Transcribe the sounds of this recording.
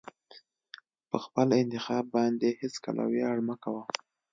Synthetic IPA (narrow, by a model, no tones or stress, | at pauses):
pəxpəlɪnt̪ɪxɑbːɑnd̪ehɪska̰lʔa̰wjeaɽmakawa